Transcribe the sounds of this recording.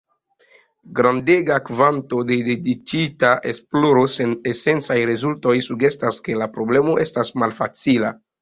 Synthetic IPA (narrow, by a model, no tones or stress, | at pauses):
ɡɾandeɡakvanto̞de̞dedit͡ʃitaʔesploɾo̞senesent͡sajɾezulto̞jsuɡe̞staske̞lapɾo̞ble̞mo̞ʔe̞stasmalfat͡sila